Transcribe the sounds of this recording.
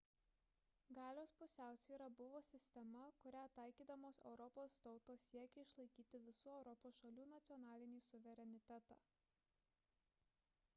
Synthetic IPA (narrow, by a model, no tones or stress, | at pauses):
ɡɑːlʲoːspʊsʲæˑʊsʲʋʲiːɾɐbʊʋoːsʲɪsʲt̪ʲɛmɐkʊɾʲæːt̪ɑˑɪkʲiːd̪ɐmoːsɛ̰ʊɾɔpoːst̪ɒʊt̪oːsʲiɛkʲɛɪʃlˠɐɪkʲiːt̪ʲɪʋʲɪsuːɛʊɾɔpoːsʃɐlʲuːnɐt̪sʲiɔnɑːlʲɪnʲiːsʊʋʲɛɾʲɛnʲɪt̪ʲɛt̪ɑ̰ː